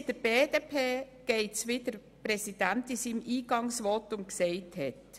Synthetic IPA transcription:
d̥əɾb̥eːdepʰeː | ɡ̥eɪt͡sʋɪd̥əɾ | pɾɛsid̥æntisiːmiːɡɑŋsʋɔtʊnkseɪthɛt

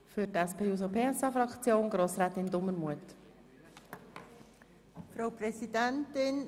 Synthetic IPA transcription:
fʏɾtæspʰeːuːs̬opʰeːɛsɑːfɾɑkt͡sjoːnɡ̥ɾoːsɾɛːt̪ɪnd̪ʊmːəmuət | fɾaʊpɾɛsidɛntɪn

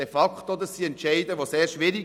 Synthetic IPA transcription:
efɑkχt̪od̪əsiɛntʃɛɪd̪əʋoseːɾʃʋɪɾiɡ

